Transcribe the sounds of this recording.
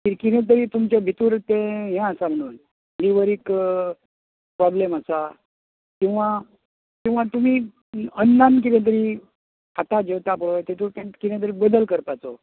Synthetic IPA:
k̪iɾkinẽt̪̬əɾiːt̪umt͡ɕebʱit̪uːɾt̪ɛ̃ɦɛ̃əsam̤əɽ̃uːn | liʋəɾik | pɾɔbleməsa | kĩw̃ʋa | kĩw̃ʋ̤at̪um̤iː | ənːank̬it̪ɛ̃t̪̬əɾiː | kʰat̪ad͡ʑeʋt̪apəɭojt̪et̪uːɾt̪ɛ̃kit̪ɛ̃t̪̬əɾibəd̪əlkəɾpat͡so

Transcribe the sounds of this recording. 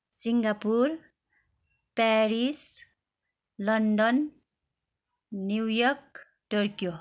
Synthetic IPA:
siŋɡapuɾ | pɛɾis | lʌnɖɔn | uwjɔk̚ | ʈoɾkijo

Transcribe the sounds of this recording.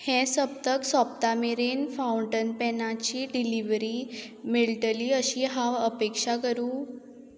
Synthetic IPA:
hɛ̃səb̚t̪əksɔpt̪amiɾenfawɳʈənpɛnat͡ɕiːɖiliʋɾi | miɭʈəliːəɕiɦaəpekʂakəɾuː

